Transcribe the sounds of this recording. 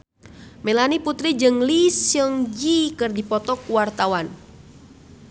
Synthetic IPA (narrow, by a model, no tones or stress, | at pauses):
melaniput̪ɾid͡ʒɨŋlisjəŋd͡ʒikɨrdipɔt̪ɔkuwart̪awan